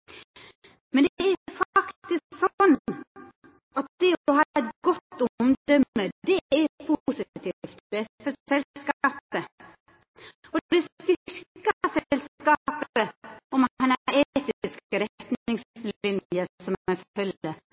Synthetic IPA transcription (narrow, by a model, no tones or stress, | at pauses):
mɛnd̪æɾfɑktt̪ɪsksɔnː | ɑt̪̚d̪ɛɔhɑːɛt̪ɡɔt̪ːʊmd̪œmːəd̪ɛæɾɛpʰusɪt̪ʰift̪ɛfɔɾsɛlskɑːpə | ɔd̪ɛblɪɾst̪ʏɾkɑsɛlskɑpəɔmænet̪ɪskəɾɛt̪nɪŋslɪnjəsɔmæffœlə